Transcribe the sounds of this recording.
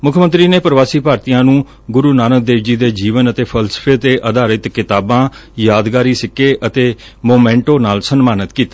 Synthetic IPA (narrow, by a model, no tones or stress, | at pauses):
mʊkʰmə̃nt̪ɾiːneːpəɾʋaːsiːpaːɾt̪ijãːnũː | ɡʊɾuːnaːnək̚d̪eːʋd͡ʒiːd̪eːd͡ʒiːʋənət̪eːpʰəlsə̥pʰeːt̪eːʔəd̪aːɾɪt̪kɪt̪aːbãːjaːd̪ɡaːɾiːsɪkːeːʔət̪eː | moːmɛ̃ːɳʈoːnaːlsənmaːnət̪kiːt̪aː